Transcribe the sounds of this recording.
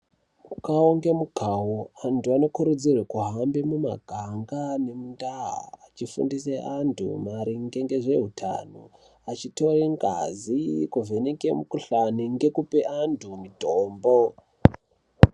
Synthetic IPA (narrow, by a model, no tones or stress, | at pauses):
ukaoŋɡe̞muɡʱawoantuano̞kuɾud͡zirwekuɦambemuma̰ɡʱaŋɡane̞mundaɦa̰ːt͡ʃifṵndiseʔantʰṵmaɾiŋɡe̞ŋɡe̞ʐe̞ɦutʰa̰no | at͡ʃito̞reŋɡa̰zikuvenekemukuɬaniŋɡe̞kupeʔantʰumidʱoːmbo